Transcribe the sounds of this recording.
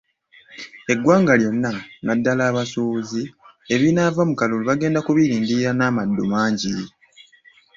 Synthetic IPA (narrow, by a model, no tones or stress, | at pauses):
e̞ɡːwaːŋɡaljo̞nːanadːalaːβasuːzi | e̞βinaːvamukaluluβaɡe̞ːndakuβiɾiːndiɾanaːmadːumaːɲɟi